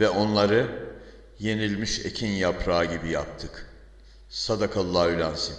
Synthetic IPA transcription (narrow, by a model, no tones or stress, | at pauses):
vɛʔo̞nlˠaɾɯ | je̞nilʲmiʃḛcʰinjapɾaːɟibija̰p̚t̪ʰɯk | sad̪akʰalˠːaːylʲansin